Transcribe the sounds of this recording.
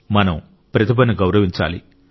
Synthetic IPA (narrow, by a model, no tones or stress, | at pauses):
mɐnɐm | pɾɐt̪ʰipɐniɡɐwɾɐʋiɲt͡ʃa̰ːlḭ